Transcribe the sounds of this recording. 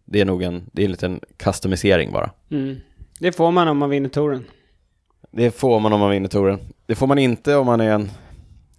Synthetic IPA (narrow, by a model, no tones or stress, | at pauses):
d̪ɛæɳuːɡɛnd̪ɛɛɾnliːt̪ənkʰast̪amɪseːɾɪ̰ŋbɑ̰ːɾʔa̰m̩ːd̪ɛfoːɾmanɔmːanvɪnːət̪ʰuːɾən | d̪ɛfoːɾmanɔmːanvɪnːət̪ʰuːɾənd̪̥ɛfoːɾmanɪnt̪əɔmːanæɾɛn